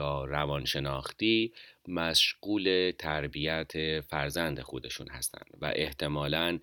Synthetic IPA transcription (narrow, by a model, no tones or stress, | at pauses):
ɒːɾævɒnʃe̞nɒːxt̪iːmæʃɢ̥uːle̞t̪ʰæɾbijæt̪ʰefæɾzænd̪e̞xod̪e̞ʃṵːnhæst̪ʰæ̰nd̪̥væ̰ʔe̞ht̪ʰe̞mɒːlæn